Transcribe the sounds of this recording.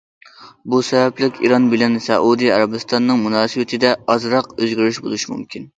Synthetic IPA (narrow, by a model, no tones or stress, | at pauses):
busɛbɛplɪkʲʰḭɾɑnbɪlɛnsɛ̰ʔud̪ijɑɾɑbɨst̪ɑnːɨŋmunɑːsɨwɪt̪ʰɪd̪ɛɑzɾɑqøzɡʲyɾyʃbolˠuʃimṵmkʲin